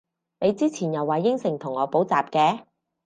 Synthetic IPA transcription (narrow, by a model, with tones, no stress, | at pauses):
ne˨˧jt͡siː˥t͡sʰiː˨˩njɐ˨˩wːaː˨˩jɪ˥ŋsɪ˨˩ŋt̪ʰʊ˨˩ŋɔː˨˧po˨˥wt͡saː˨p̚kɛː˧